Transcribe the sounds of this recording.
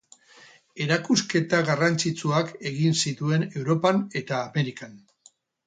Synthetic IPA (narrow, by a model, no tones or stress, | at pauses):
e̞ɾakuske̞t̪aɣarant͡sit͡suake̞ɣinsit̪ue̞ne̞wɾo̞pane̞t̪aːme̞ɾikan